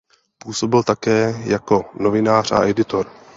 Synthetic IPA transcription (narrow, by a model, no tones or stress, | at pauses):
puːso̞bɪlt̪akɛːjako̞no̞vɪnaːr̝a̰ʔɛdɪt̪o̞ɾ